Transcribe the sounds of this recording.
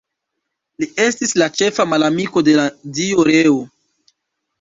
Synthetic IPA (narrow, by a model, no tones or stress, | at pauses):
lie̞stislat͡ʃe̞famalamiko̞de̞ladioɾeo